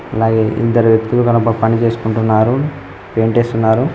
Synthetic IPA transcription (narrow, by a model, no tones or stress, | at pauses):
ɐlaːɡe̞ːʔḭd̪ːɐɾiʋjɐk̚t̪ulukɐnɐpɐpɐnit͡ʃe̞ːsu̥kuɳʈunːaːɾu | peːɳʈe̞ːst̪unːaːɾu